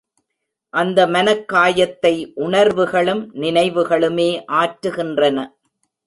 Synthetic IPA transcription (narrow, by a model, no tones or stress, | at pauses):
ʔɐnd̪ɐmɐnɐkːaːjɐt̪ːɐɪʔʊɳɐɾʋɯɣɐɭɯmnɪnɐɪʋɯɣɐɭɯmeːʔaːʈɾɯɣɪndrɐnɐ